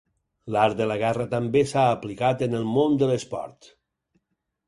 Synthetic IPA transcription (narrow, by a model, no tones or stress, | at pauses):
laɾd̪ələɣ̞ɛrət̪əmbesaːplikat̪ənəlˠmond̪ələspɔ̰ɾt̪